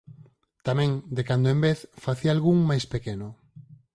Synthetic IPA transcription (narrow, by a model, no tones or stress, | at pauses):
t̪amɛ̃ŋd̪ekand̪oẽmbeθfaθialɣuŋmajspekeno